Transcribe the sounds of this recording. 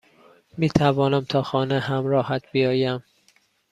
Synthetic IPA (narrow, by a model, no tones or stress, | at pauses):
miːt̪ʰævɒːnæmt̪ʰɒːxɒːneɦæmɾɒːhæt̪̚ʰbijɒːjæm